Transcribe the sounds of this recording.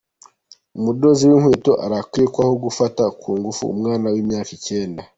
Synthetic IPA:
umudo̞ziwinhwiːto̞ʔaɾakikwaho̞ɡufatakʰuːŋɡufṵːmŋaːnawiːmɲaːkice̞ːnda

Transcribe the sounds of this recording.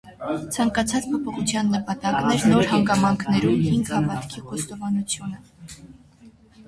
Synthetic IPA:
t͡sʰɑŋkɑt͡sʰɑt͡spʰɔpʰɔχut͡sʰjɑnːəpɑt̪ɑknɛɾnɔɾhɑŋɡɑmɑŋkʰnɛɾumhiŋɡhɑvɑt̪kʰiχɔst̪ɔvɑnut͡sʰjunə

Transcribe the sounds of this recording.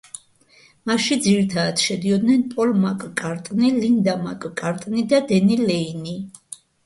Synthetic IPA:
maʃid̪ziɾit̪ʰad̪ad̪̥ʃɛd̪iɔd̪nɛnpʼɔlmakʼkʼaɾt̪ʼnilind̪amakʼkʼaɾt̪ʼnid̪ad̪ɛnilɛini

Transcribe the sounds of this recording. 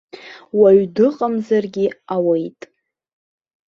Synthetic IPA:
waɥdɨqʼamzarɡʲɪawejtʼ

